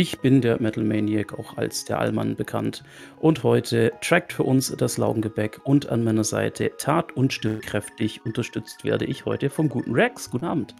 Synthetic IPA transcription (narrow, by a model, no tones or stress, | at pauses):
ʔɪçb̥ɪndeːɐmɛtʰl̩meɪnjɛka̰ʊxa̰lsd̥eːɐʔa̰lma̰nbəkʰa̰nt | ʔʊnthɔʏtʰətʁ̥ɛk̚tfyːɐʔʊnsd̥asla̰ʊɡŋ̩ɡəbɛkʰʊnta̰nmaɪnɐza̰ɪtʰətʰaːtʊntʃtɪmkʁ̥ɛftɪçʔʊntɐʃtʏt͡stv̥ḛːɐdəʔɪçhɔ̰ʏtəfɔmɡuːtn̩ʁɛksɡ̥uːtn̩ʔaːbm̩t